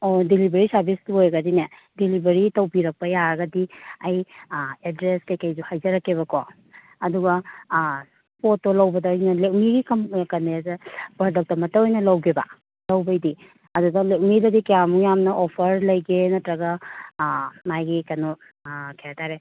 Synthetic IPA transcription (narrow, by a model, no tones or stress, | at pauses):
odilibeɾisɐɾbistuojɡɐdine | dilibeɾitɐwbiɾɐk̚pɐjaɾɐɡɐdiɐjedɾeskɐjkɐjzuhajzɐɾɐkːeβɐkɔː | duɡɐ | potːolɐwbɐdɐjnɐlek̚miɡikʰɐmkɐneazabɐɾdɐk̚tɐmɐtɐojnɐlɐwɡeba̰ | lɐwbɐjdi | ɐduɡɐlek̚midɐdikɐjamujamnɐʔɔpʰɐɾlɐjɡenɐtɾɐɡɐ | majɡikɐnu | kʰejataɾe